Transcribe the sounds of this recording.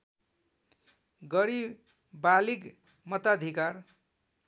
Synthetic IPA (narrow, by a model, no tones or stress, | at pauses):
ɡʌɾib | balik | mʌt̪ad̪ʱikar